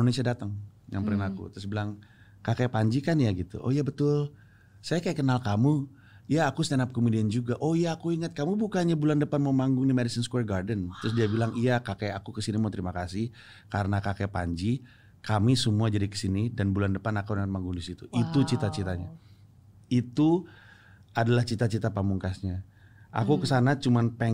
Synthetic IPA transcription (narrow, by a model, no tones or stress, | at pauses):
nonesiadat̪əŋja̰ŋpəɾinakṵt̪ɾʊs̬bilaŋ | kakapaɲd͡ʒikanjaɡit̪ṵʔo̰jabət̪ʊl | sajakajakənalkamu | ijaːkust̪anap̚komediand͡ʒuɡaʔojaːkuiŋət̪̚kamubukaɲabulandəpanmamaŋɡʊŋdimedəsənskwɛrɡardənt̪ɾʊs̬diabilaŋijakakajakukəsinimat̪əɾimakasɪh | kaɾənakakɛpa̰ɲd͡ʒi | kamisəmuad͡ʒadikə̥sinidanbulandəpanakawnaŋət̪̚maŋɡʊŋdisit̪uʔit̪ut͡ʃit̪at͡ʃit̪aɲa | it̪u | adalaht͡ʃit̪at͡ʃit̪apamuŋkasɲa | ʔa̰kukəsanat͡ʃumanpɛ